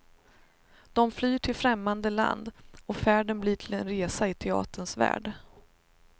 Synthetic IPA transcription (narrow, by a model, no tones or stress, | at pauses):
d̪̥ɔmflyːʈʰɪlfɾɛmːand̪əla̰nd̪ɔfæːɖənbliːʈʰɪlɛnɾeːsaɪt̪ʰɛɑ̰ːt̪əɳsvæ̰ːɖ